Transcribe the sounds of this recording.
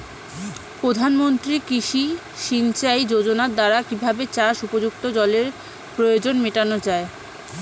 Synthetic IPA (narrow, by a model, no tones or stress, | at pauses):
pɾod̪ʱanmont̪ɾikɾiʃi | ʃint͡ɕajd͡ʑod͡ʑonaɾd̪aɾakibʱabet͡ɕaʃupod͡ʑuk̚t̪od͡ʑɔleɾ | pɾojod͡ʑonmeʈanod͡ʑae